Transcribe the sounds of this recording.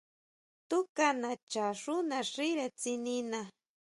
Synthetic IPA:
t̪ʊkanat͡ʃaɾʊnaɾɪɾat͡sɪnɪna

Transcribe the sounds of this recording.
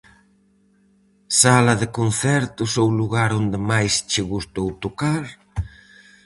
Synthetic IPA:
salɐðekonθɛɾt̪ʊsowluɣaɾond̪ɪmajst͡ʃɪɣust̪owt̪okaɾ

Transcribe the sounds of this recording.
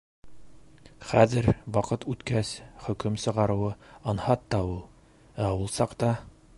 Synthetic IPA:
χæ̰ðɘɾwɑqɤt̪ʉt̪kæsχɵ̆kɵmsɤ̆ʁɑɾɤ̆wɤɑnhɑt̪ːɑulˠ | æulˠsɑqt̪ɑ

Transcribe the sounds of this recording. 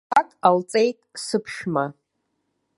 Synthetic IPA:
akʼalt͡sʼe̞jtʼsɨpʰʃma

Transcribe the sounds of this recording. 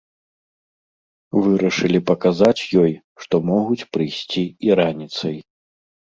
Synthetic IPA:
vɨɾɐʂɨlʲipɐkazat͡sʲjɔj | ʂt̪ɔmɔɣut͡sʲpɾɨjsʲt͡sʲiiɾanʲit̪sɐj

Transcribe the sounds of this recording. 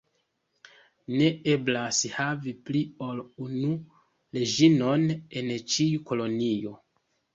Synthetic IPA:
ne̞e̞blashaviplio̞lunu | le̞d͡ʒino̞ne̞nt͡ʃiuko̞lo̞nio̞

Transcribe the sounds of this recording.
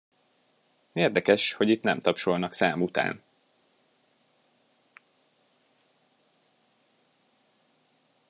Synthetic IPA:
eːrd̪ɛkɛʃho̞ɟit̪nɛmt̪ɒpʃolnɒksaːmut̪a̰ːn

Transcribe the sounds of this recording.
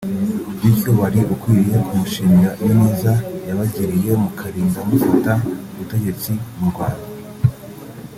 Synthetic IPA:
bdijoβaɾiʔukwiːje̞kʰumuʃiːŋɡajonuzajaβaɟiɾije̞mukʰaɾiːŋɡamufutauβute̞ɟe̞t͡simuɾɡwa̰ːna

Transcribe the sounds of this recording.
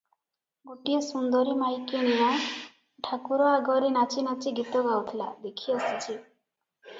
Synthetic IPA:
ɡoʈijesund̪ɔɾimajkeñija | ʈʰakuɾɔaɡɔɾinat͡ʃinat͡ʃiɡit̪ɔɡawt̪ʰila̰d̪ekʰiɔsit͡ʃʰi

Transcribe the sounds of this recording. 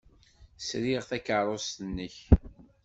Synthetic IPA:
sɾiʁθækəɾˤost̪ənːəç

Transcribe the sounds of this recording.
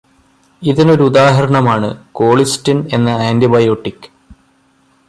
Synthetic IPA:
iðino̞ɾuud̪aːɦɐɾɐɳɐmaːɳɨko̞ːɭistine̞nːɐaːndibɐjoːʈːikːɨ̥

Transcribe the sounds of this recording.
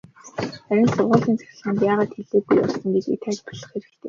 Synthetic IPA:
χæɾʲɪ̆nsʊrʁʊːɮiːnt͡sḁxʲɪ̆ɮχə̆ːnp̬æːʁaːt̪ʰxeɮeːɡujɔ̰ɮsə̆ŋɡet͡ɕḭt̪ʰat͡ɕpɔ̥ɮə̆χxeɾɘ̆k̚t̪ʰḛː

